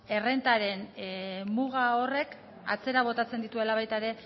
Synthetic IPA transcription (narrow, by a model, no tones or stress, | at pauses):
e̞re̞nt̪aɾe̞nmuɣ̞ao̞re̞k | a̰t͡se̞ɾaβ̞o̞t̪at͡se̞nd̪it̪ue̞laβ̞ajt̪aeɾe̞